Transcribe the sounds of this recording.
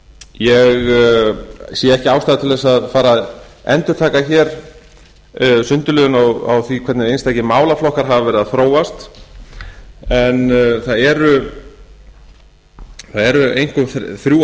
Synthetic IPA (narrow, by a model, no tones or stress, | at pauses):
jɛɣ | siːjaɛhcɪaːwst̪aːðat̪ʰɪlðɛsaðfaːɾaðɛ̰nt̪ʏɾ̥t̪ʰaːkaçɛɾ | sʏnt̪ʏlœðʏnɔɣa̰wθikʰvɛɾt̪nɪɾejnst̪ajcɪmaːwlaflɔhkaɾ̥ɦavavɛɾɪðaðθɾoːwast̪ | ɛnθaðɛɾʏ | θaðɛɾʏejŋ̥kɔmθθɾju